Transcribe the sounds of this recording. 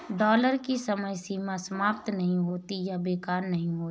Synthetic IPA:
ɖɔːləɾkisɐməjsiːmãsɐmaːp̚t̪nɐɦĩɦoːt̪ijabeːkaːɾnɐɦĩɦoːt̪ː

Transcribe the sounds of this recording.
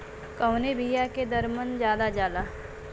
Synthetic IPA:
kɐʊnebʱijaked̪əɾmənd͡ʒjaːd̪ad͡ʒaːlaː

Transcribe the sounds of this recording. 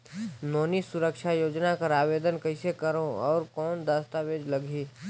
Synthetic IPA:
nɔːnisʊɾəkʃajoːd͡ʒnakəɾaːʋeːd̪ənkɐɪsekəɾõɔːɾkɔːnd̪aːst̪aʋeːd͡ʒləɡʱiː

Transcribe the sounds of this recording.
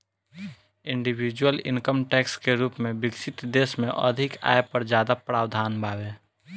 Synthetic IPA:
ɪ̃ɳɖiwid͡ʒwəlɪ̰̃ŋkəmʈɛːkskeɾuːpmẽbɪkʃɪt̪d̪eːsmẽʔə̰d̪ʱɪka̰ːjpəɾd͡ʒjaːd̪apɾaːwd̪ʱaːnbʱaːweː

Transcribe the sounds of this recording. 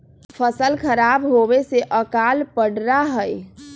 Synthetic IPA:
pʰəsəlkʰəɾabɦobeseʔəkalpəɽɾaɦəj

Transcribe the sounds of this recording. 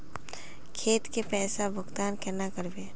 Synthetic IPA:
kʰeːt̪kepɛːsabʱʊɡt̪aːnkɛnakəɾbeː

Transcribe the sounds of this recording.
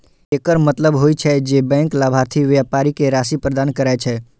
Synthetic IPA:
eːkəɾmət̪ləbɦoit͡ʃʰɛd͡ʒebɛ̃ŋklaːbʱaɾt̪ʰiʋjaːpaɾikeɾaːsipɾəd̪aːnkəɾajt͡ʃʰɛ

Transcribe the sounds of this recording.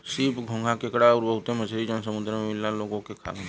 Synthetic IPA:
siːpɡʱõŋɡʱãkekɽaʊɾbəɦʊt̪eməd͡ʒɾid͡ʒõnsəmʊd̪ɾmẽmɪlːaloːɡõkekʰa̰ːʋẽ

